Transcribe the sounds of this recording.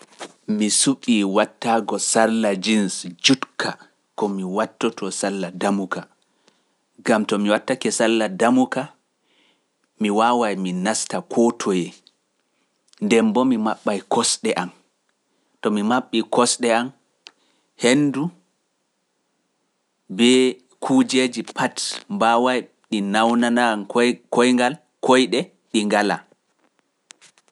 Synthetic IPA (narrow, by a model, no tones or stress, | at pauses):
misuɓːiwatːaːɡɔsallad͡ʒinsd͡ʒutkʰa | kɔmiwatːɔtʰɔsalːadamuka | ɡamtɔmiwatːakɛsalːadamuka | miwaːwajminastakʰɔtʰɔjɛ | ndɛmbɔmimaɓːajkʰɔsɗɛʔan | tɔmimaɓːikɔsɗɛam | henːdu | bɛ | kʰud͡ʒed͡ʒipʰatmbawaj | ɗinawnanankɔjŋɡal | kɔjɗɛ | ɗiŋɡala̰